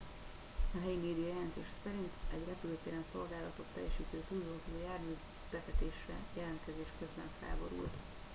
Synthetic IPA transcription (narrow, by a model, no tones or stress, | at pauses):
ɒɦɛjimeːd̪ijɒjɛlɛnt̪eːʃɛ̥sɛɾint̪ɛɟrɛpyløːt̪eːɾɛnso̞lɡaːlɒt̪o̞t̪ːɛ̰jːɛʃiːt̪øːt̪uːlzɒut̪iojaːrmyː | b̥ɛt̪ɛt̪eːʃrɛjɛlɛnt̪kɛzeːʃkøzbɛɱfɛ̰ːbo̞ɾṵlt̪